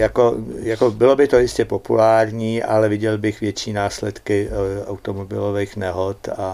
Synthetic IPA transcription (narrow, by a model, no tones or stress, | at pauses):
jakojakobɪlo̞bɪt̪ojɪscɛpopṵlaːɾɲiːʔa̰lɛvɪɟɛlbɪxvjɛt͡ʃiːnaːslɛt̪kɪa̰wt̪omobɪloveːxnɛɦot̪a